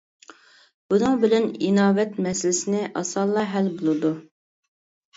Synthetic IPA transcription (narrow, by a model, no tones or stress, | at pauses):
b̥unɨŋbɪlɛninɑːwɛt̪mɛsɪlɪsɪnɪʔɑ̰sɑlˠːɑɦælbolˠɨd̪u